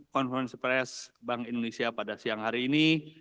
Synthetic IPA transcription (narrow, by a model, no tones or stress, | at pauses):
kɔnfɾɛnspɾɛsbaŋindonesiapadasiaŋhaɾiːni